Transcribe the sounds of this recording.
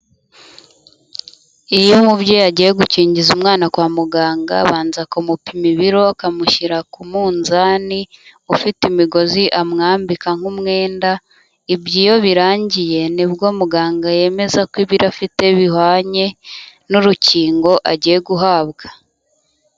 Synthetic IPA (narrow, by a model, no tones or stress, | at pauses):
ijomubɟojaɟije̞ɡuciːɲɟizumŋaːnakwaːmuɡaːŋɡa̰βaːnzakomupimiβiɾo̞akamuʃiɾakumuːnzaniufitimiɡo̞ziʔamŋaːmbikaŋ̥humŋe̞ːnda | ibɟijo̞βiɾaːɲɟije̞nibɡoːmuɡaːŋɡaje̞me̞zakwiβiɾafite̞βihwaːɲe̞nuɾuciːŋɡo̞ʔaɟije̞ɡuɦaːbɡḁ